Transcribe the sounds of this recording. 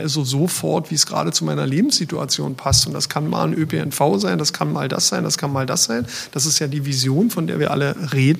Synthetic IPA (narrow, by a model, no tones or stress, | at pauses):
ʔazozofɔɐtv̥iːsɡ̥ʁa̰ːdət͡sumaɪnɐleːbm̩sz̥itua̰t͡sjo̰ːnpʰastʊntd̥a̰skʰanma̰ːnʔøpʰeɛ̰nfaʊzaɪndaskʰanma̰ːlda̰sz̥aɪndaskʰanmaːlda̰sz̥aɪnd̥asɪstjaːdiːvizjoːnfɔndeːɐviːɐʔa̰ləʁeːdn̩